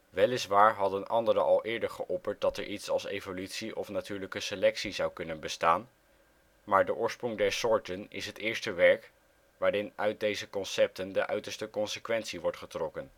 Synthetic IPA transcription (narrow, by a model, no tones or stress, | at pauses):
ʋɛlɪsʋaːɹɦɑdənɑndəɾəʔɑlˠʔɪːɹdəɹχəʔɔpəɹt̚dɑtɛɹʔitsɑlˠsejvolytsiʔɔ̰fnatyːɹləkəselɛksizɑwkɵnənbəstaːn | maːɹdəʔʊːɹsprɔŋdɛɹsʊːɹtənɪ̰sɦətɪːɹstəʋɛɹk | ʋaːɾɪnœɥt̚dejzəkɔnsɛp̚təndəʔœ̰ɥtəɹstəkɔnsəkʋɛntsiʋɔɹtχətrɔkən